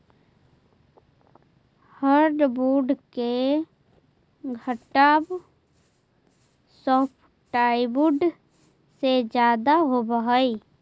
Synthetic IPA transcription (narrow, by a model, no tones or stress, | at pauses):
həɾɖbuːɖke | ɡʱəʈaːb | sɔːpʰ | ʈaːibuɖ | sed͡ʒjaːd̪aɦobəɦəi